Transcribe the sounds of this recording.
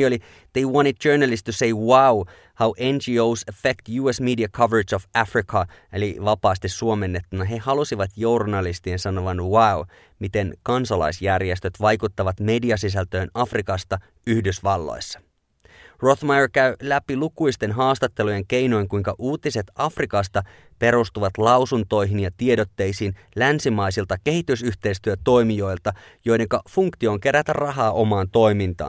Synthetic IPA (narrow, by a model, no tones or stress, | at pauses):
o̞li | ð̥ejwɑnid̚d͡ʒøːnælist̪ːuse̞jwaw | hawʔend͡ʒiowsæfekt̪juːesmidiɑkʰɑʋeɹet͡ʃofæfrikʰɑeliʋɑpɑːst̪isːuome̞nːe̞t̪ːunɑɦe̞hɑlusiʋɑt̪journɑlist̪iensɑno̞ʋɑnwaw | mit̪e̞ŋkɑnsɑlɑ̰jsjærjest̪ø̞t̪ʋɑjkut̪ːɑʋɑt̪me̞diɑsis̬ælt̪ø̞ːnɑfrikɑst̪ɑ | yhdysʋɑlːo̰jsːɑ̥ | ro̞θmɑjrkæɥlæpilukujst̪e̞nɦɑːst̪ɑt̪ːe̞luje̞ŋk̟e̞jno̞jŋkujŋkɑʔuːt̪ise̞t̪ɑfrikɑst̪ɑ | pe̞ɾust̪uʋɑt̪lɑwsunt̪o̞jɦinjɑt̪ie̞do̞t̪ːe̞jsin | lænsimɑjsilt̪ɑke̞ɦit̪ysyçt̪e̞jst̪yøt̪o̞jmijo̞jlt̪ɑ | jo̞jde̞ŋkɑfuŋkt̪io̞ːŋke̞ɾæt̪ærrɑɦɑːʔo̞mɑːnt̪o̞jmint̪ɑ̰ːn